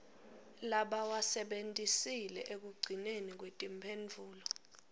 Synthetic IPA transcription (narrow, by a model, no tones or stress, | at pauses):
laɓawasɛɓentʼisilɛʔek̬uɡ͡ǀʱinenik̬wetʼimpʰend͡vʱuːlɔ